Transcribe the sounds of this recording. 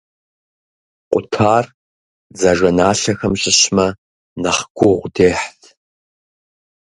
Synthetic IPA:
qʷʼʊtʰaːr | d͡zɐʒɐnaːɬɐxɐmɕʼɪɕmɐ | nɐχɡʷʊʁʷdeːħtʰ

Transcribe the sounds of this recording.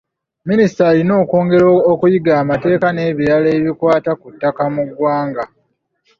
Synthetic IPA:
minisitalino̞ːko̞ːŋɡe̞ɾookujiɡaːmate̞ːkane̞ːβiɾaleːβikwaːtakutːakamuɡwaːŋɡa

